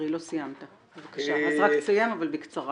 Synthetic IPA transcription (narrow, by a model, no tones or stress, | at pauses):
ʁilo̞sijamt̪a | b̥evakaʃaazʁaksujamavalbekt͡saʁ